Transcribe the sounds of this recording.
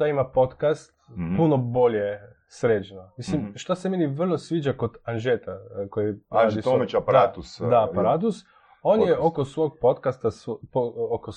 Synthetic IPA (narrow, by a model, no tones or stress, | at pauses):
ʃt̪aimapo̞t̪kast̪̚punobo̞lʲje | sɾet͡ʃnomislimʃt̪asemeniʋr̩lˠosʋid͡ʒakod̪anʒet̪akojiɾaːd̪it̪omet͡ʃapaɾat̪usd̪apaɾat̪̬us | onjeokosʋoɡ̚pot̪kast̪aspooko